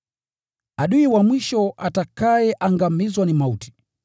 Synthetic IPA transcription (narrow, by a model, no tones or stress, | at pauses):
aɗuiwamwiʃɔatakajɛʔaŋɡamizwanimauti̥